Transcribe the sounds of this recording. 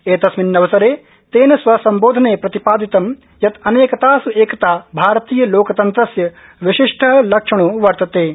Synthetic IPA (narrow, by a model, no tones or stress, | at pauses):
eːt̪ɐsminːɐʋɐsɐɾeː | t̪eːnɐsʋɐsɐmboːd̪ʱɐneːpɾɐt̪ipaːd̪it̪ɐm | jɐt̪ɐneːkɐt̪aːsueːkɐt̪aːbʱaːɾɐt̪iːjɐloːkɐt̪ɐnt̪ɾɐsjɐ | ʋiʃiʂʈʰɐɦɐlɐkʂɐɳ̃uʋɐɾt̪ɐt̪eː